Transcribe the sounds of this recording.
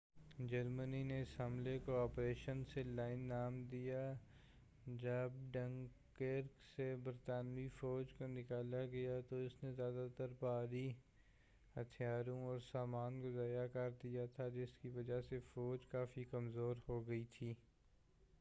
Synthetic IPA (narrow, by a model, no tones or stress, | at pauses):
d͡ʒɐɾmənineɪsɦɐmlekoaːpɾeːʃənselaːɪnːaːmd̪ija | d͡ʒɐbɖə̃ŋkeːɾksebəɾt̪aːnʋifɔːd͡ʒkonɪkaːlaɡɐjat̪oɪsnezjaːd̪at̪əɾpaːɾi | hɐt̪ʰijaːɾõɔːɾsaːmaːnɡʊzaːjakaɾd̪ijat̪ʰad͡ʒɪskiʋɐd͡ʒasefɔːd͡ʒkaːfikɐmzoːɾhoɡɐit̪ʰiː